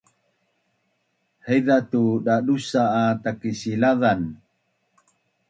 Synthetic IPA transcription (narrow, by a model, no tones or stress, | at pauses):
heðat̪uɗaɗusaːt̪akisilaðan